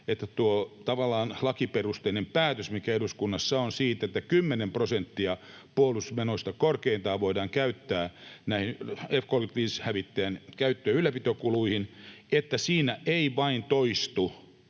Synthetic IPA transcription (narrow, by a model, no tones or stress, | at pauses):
et̪ːæt̪uot̪ɑʋɑlːɑːnlɑkiperust̪einempæːt̪øsmikæeduskunːɑsːɑonsiːt̪et̪ːækymːenemprosent̪ːiɑ | puolusmenost̪ɑkorkeint̪ɑːʋoidɑːŋkæyt̪ːæːnæihinefkoːlit̪ʋiːshæʋit̪ːeænkæyt̪ːøːylˑːæpit̪okuluihin | et̪ːæsiːnæʔeiʋɑint̪oist̪u